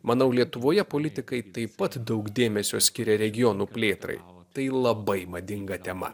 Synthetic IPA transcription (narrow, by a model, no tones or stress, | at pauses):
mɐnɐʊlʲiɛt̪ʊʋoːjɛpoːlʲɪt̪ʲɪkɐɪt̪ɐɪpɐt̪d̪ɐʊkd̪ʲeːmʲɛsʲoːsʲkʲɪɾʲɛɾʲɛɡʲɪjɔːnuːpʲlʲeːt̪ɾɐ̰ɪ | t̪ɐɪlˠɐbɐɪmɐd̪ʲɪŋɡɐt̪ʲɛmɐ̰